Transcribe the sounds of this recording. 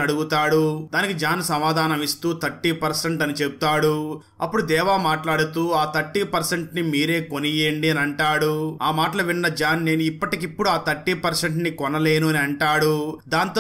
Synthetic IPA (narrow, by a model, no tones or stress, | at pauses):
ɐɽuɡut̪aːɽud̪aːnikid͡ʒaːnsɐmaːd̪ʱaːnɐmist̪uːt̪ʰɐʈːiːpɐɾseɳʈɐnit͡ʃe̞but̪aːɽu | ɐ̰pːuɽud̪ɛːʋaːmaːʈlaːɽut̪uːaːt̪ʰɐʈːiːpɐɾseɳʈnimiːɾe̞ːkonijeɳɖiɐniɐɳʈaːɽuaːmaːʈɐlɐʋinːɐd͡ʒaːnːe̞ːnuipːɐʈikipːuɽuaːt̪ʰɐʈːiːpɐɾseɳʈnikɔnɐle̞ːnuɐniɐɳʈaːɽud̪aːnt̪ː